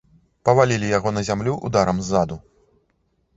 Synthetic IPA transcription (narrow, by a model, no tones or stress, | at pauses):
pɐvalʲilʲijaɣɔnɐzʲamlʲuʔṵd̪aɾɐmzːad̪u